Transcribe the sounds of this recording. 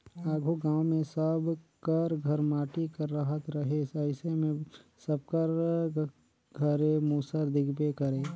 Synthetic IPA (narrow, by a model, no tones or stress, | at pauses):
aːɡʱoɡãːwmẽsəbkəɾɡʱəɾmaːʈikəɾːəɦət̪ɾɐɦesɐɪsemẽsəb̚kəɾ | ɡʱəɾemuːsəɾd̪ɪɡbekəɾeː